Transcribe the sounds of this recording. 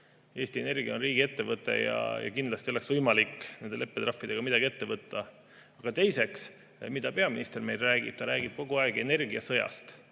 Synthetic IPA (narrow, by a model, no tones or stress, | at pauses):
e̞ːst̪ie̞ne̞rɡ̥ijɑonriːɡ̥ie̞t̪ːe̞vɤt̪ːˑe̞̰jɑ̰jɑ̰kind̪lɑst̪io̞le̞ksvɤjmɑlikːˑne̞nd̪e̞le̞pːed̪rɑfːid̪e̞ɡɑmid̥̪ɑɡ̥ie̞t̪ːe̞vɤt̪ːɑ | ɑɡ̥ɑt̪e̞jse̞ks | mid̪̥ɑpe̞ɑminist̪e̞rme̞jlræːɡḭb̥̚t̪ɑɾæːɡ̥ib̥̚ko̞ɡ̥uɑeɡe̞ne̞rɡiɑsɤjɑ̰st̪